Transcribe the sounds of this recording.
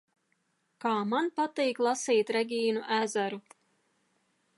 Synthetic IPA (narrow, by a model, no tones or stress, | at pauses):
kaːmanpat̪iːklˠasiːt̪ɾɛɡʲiːnuʔæzæɾu